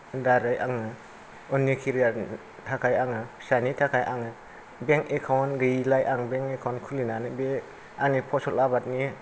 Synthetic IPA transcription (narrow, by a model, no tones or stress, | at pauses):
daɾajʔaŋɯ | ɔnikʰiɾia | tʰakʰajaŋɯsanitʰakʰajʔaŋɯ | beŋkekʰawnɾilajʔaŋbeŋekʰawnkʰulinanɯbe | aŋnipʰɔsɔlabat̚ni